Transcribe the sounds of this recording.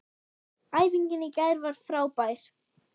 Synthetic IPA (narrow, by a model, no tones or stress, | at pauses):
aːjviɲcɪnːɪcɛðɾvaɾ̥θɾaːwpajɾ̥